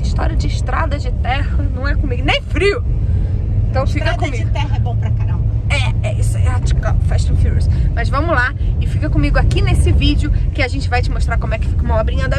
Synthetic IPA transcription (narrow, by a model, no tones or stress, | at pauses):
iʃt̪ɔ̰ɾiɐd͡ʒɪɪʃt̪ɾad̪ɐd͡ʒɪt̪ɛhɐnɐ̃w̃ɛkõmiɡʊnẽj̃fɾiʊ | eẽt̪ɐ̃w̃fiɾkɐdk̪õmiɪʊt̪ɛhɐɛbõpɾɐkaɾalɛɛisʊɛat͡ʃi̥kafɛʃt̪õfiɾṵsmɐzvɐ̃mʊlaɪfikɐkõmiɡʊakinesɪvid͡ʒɪʊkɪaʒẽnt͡ʃɪvajt͡ʃɪmoʃt̪ɾaɾkõmʊɛkɪ̥fikũmaɐbɾĩãd̪ɐ